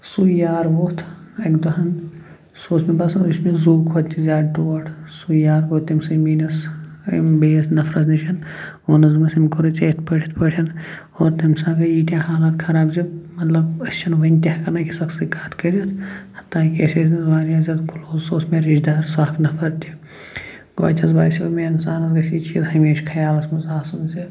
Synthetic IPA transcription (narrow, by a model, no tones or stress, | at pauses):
sujaːɾboːt̪ʰekd̪oɦɐn | soːsmepɐsɐnusmẽzuːkʰot̪ːizaːɾʈoːɐʈʰsujaːɾboːt̪ːɐmsɐmiːnɐs | beːsnɐfʰɾɐzniʃɐnoːnɐzmɐsimkoɾɐt͡ʃeːt̪̚ʰpɐʈʰi̥t̪ʰpɐʈʰɐn | oːɾt̪ɐmsaːkɐjiːʈ̪jaːɦaːlaːt̪kʰɐɾaːbzɐmɐt̪lɐbɐst͡ʃʰɐnʋɐnʲt̪ʲakɐnɐːkisɐksɐkaːt̪ʰkɐɾiɐt̪ʰhɐt̪ːaːkʲeseɾnzmaːɾiazʲɐt̪kʰuloːzsoːsmeɾid͡ʒd̪aːɾsaːkʰnɐpʰɐɾt̪ʲi | ɡ̥o̰ːt͡ʃɐzbaːsiɐmeɐnsaːnɐzɡɐsit͡ʃiːzɦɐmeːʃkʰɐjaːlɐsmɐzaːsɐnse